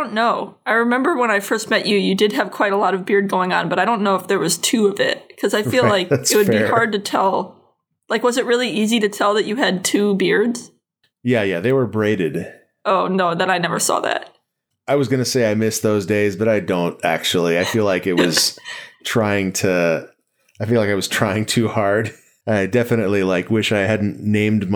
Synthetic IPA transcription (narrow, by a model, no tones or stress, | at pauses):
õʊ̃nːoʊaɪɹɨmɛ̃mbə˞wə̃ñaɪfɜ˞st̚mɛt͡ʃɨjɨdɨd̚ɨv̥kʰw̥aɪɾəlɔɾʌvbɪɹd̚ɡoʊɪ̃ŋə̰̃nbʌɾaɪɾõʊ̃nːoʊəfðə˞wʌz̥tʰʉʌvɪ̰t̚kʰʌzaɪfillaɪksɨt̚wɨd̚bihɑɹd̚tɨtʰɛlˠ | laɪkwʌzɨt̚ɹɪlˠiʔiziɾɨtʰɛlˠðɨt͡ʃɨɨd̚tʰʉbɪɹdz̥ | jæjæðeɪwə˞bɹeɪɾɨd̥ | oʊnoʊðɨ̃naɪnɛvə̰˞sɔ̰ðæ̰t̚ | aɪwʌzɡʌnɨseɪaɪmɪsðoʊzdeɪzbʌɾaɪdõʊ̃ntæ̰k̚t͡ʃul̩ˠiaɪfilaɪkɨt̚wʌz̥tʰɹ̥aɪɪ̃ŋtʰɨ | aɪfilaɪkaɪwʌz̥tʰɹ̥aɪɪ̃ŋtʰʉhɑɹd | aɪdɛfɨnɨtˡlilaɪkwɪʃaɪhædⁿn̩nẽɪ̃mdm